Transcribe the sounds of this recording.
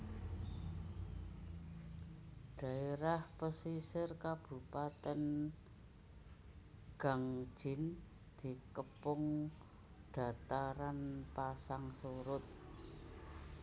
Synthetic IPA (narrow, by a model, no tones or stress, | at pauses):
ɖ̥a̤eɾahpəsisɪrkab̥ṳpat̪ɛn | ɡ̥a̤ŋ̥ʒ̥ɪ̤n | d̪̥i̤kəpʊŋ | dɖ̥a̤t̪aɾanpasaŋsoɾʊt̪̚